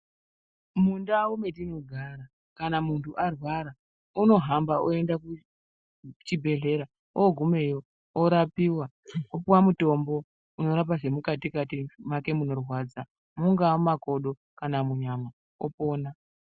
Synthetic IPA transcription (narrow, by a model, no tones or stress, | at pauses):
mundaume̞tinoɡʱaɾa | kanamuntuʔarwaɾa | uno̞ɦambaoe̞ndaku | t͡ʃibʱe̞ɮe̞ɾa | oɡʱume̞jo | oɾapiwa | opuwamuto̞mbo̞ | uno̞ɾap̬aʐe̞mukatikatimake̞muno̞rwad͡za | muŋɡaomako̞ɗo̞ | kanamuɲama | opo̞ːna